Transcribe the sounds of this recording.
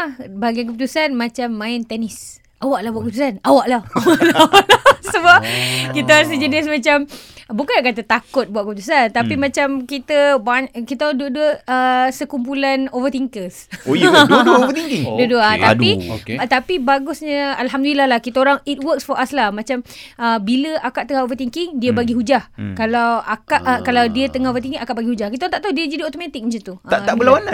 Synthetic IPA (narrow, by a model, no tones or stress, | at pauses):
baɡiankəput̪usanmãt͡ʃamːãɪnt̪ɛnɪs | ʔawaʔlahbuaʔkəput̪usanawaʔlahwlalasəbap̚kit̪aɾas̬əd͡ʒənismãt͡ʃambukanaʔkat̪ət̪akʊt̪̚buaʔkəput̪usant̪apimãt͡ʃamkit̪əbaɲkit̪aduəduəəsəkump̬ulanovət̪iŋkəsoduəovət̪iŋkiŋduəduəat̪adio̰t̪apibaɡʊsɲə̃alɦamd̪ulilahlahkit̪aoɾaŋit̪̚wəksfɔʔaslahmãt͡ʃaməbiləʔakaʔt̪əŋahovət̪iŋkiŋdiəbaɡiɦud͡ʒahkalawakaʔkalawdiət̪əŋahovət̪iŋkiŋakaʔbaɡihud͡ʒahkit̪aoant̪aʔt̪awdiəd͡ʒadiot̪omat̪ik̚mət͡ʃat̪uaaʔbəlawana